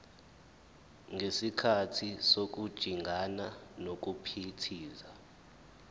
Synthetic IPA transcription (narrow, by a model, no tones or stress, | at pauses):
ŋesikʰatʰisok̬ud̥ʒ̥ʱiŋʱananok̬ʼupʰitʰiːza